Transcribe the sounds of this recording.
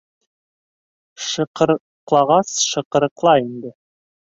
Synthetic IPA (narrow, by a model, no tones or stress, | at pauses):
ʃɤ̆qɤɾ | qlˠɑʁɑsʃɤ̆qɤ̆ɾɤ̆qlˠɑind̪ɘ